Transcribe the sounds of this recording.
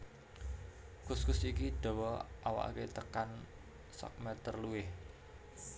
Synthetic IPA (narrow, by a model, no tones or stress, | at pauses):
kʊskʊsikiɖ̥o̤wɔʔawa̰ʔket̪əkan | sɔ̰k̚mɛt̪ərluɪh